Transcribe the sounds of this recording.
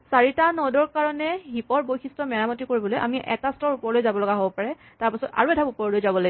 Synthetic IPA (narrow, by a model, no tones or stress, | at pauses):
saɹitanɔdɔɹkaɹɔnɛɦipɔɹbojkʰistɔmɛɹamɔtikoɹibɔlojʔa̰miʔɛ̰tastɔɹupɔɹɔlojzabɔlɔɡaɦobɔpaɹɛ | taɹpasɔta̰ɹuɛdʰʱabupɔɹɔlojzabɔlaɡi